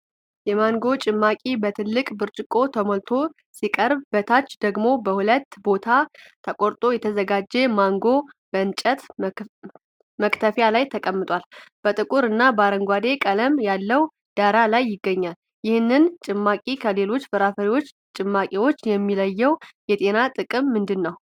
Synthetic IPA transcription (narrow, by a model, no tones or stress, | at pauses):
jɛmaŋɡo̞t͡ʃʼɪmːakʼibət̪ʰɨlːɨkʼbɨɾt͡ʃʼɪkʼo̞t̪ʰəmolt̪ʰo̞ | sikʼəɾbbət̪ʰat͡ʃːd̪̥əɡmo̞bəhulət̪ːbo̞t̪ʰat̪ʰəkʼoɾt̪ʼo̞jɛt̪ʰəzəɡad͡ʒːemaŋɡo̞b̥əɨnt͡ʃʼət̪ | məkʼt̪ʰəfjalajt̪ʰəkʼəmːɨt̪ʼwalb̥ət̪ʼɨkʼuɾɨnːabəaɾəŋɡʷad̪e̞kʼələmjalːəw | d̪̥aɾalajːɪɡːəɲːal | jɪhɨnːɨnt͡ʃʼɨmːakʼikʰəle̞lo̞t͡ʃːfɨɾafəɾiwo̞t͡ʃː | t͡ʃʼɨmːakʼiwo̞t͡ʃːjɛmːiləjːɛwjɛt̪ʼe̞nat̪ʼɨkʼɨmːɨnd̪ɨnːəw